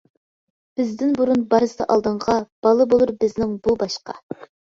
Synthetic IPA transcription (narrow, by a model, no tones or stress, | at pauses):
b̥ɪzd̪ɪnbuɾunbɑɾɨsɨd̪ɑʔɑlˠd̪ɨɴʁɑb̥ɑlˠɨbolˠuɾbɪznɪŋbubɑʃqɑ̰